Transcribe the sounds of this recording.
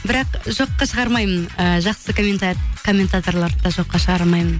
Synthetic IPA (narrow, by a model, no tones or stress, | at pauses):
bɪɾɑqʒo̞qːɑʃəʁɑɾmɑjmənəʒɑqsək̪kʰo̞mʲːe̞nt̪at̪o̞rlˠɑɾd̪ɑʒo̞qːɑʃəʁɑɾmɑjmən